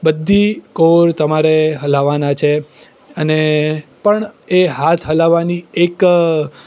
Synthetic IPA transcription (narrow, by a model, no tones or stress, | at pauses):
bəd̪ʱːikoɾt̪əmaɾeɦəlaʋanat͡ʃʰe | ənepəɳeɦat̪ʰɦəlaʋaniek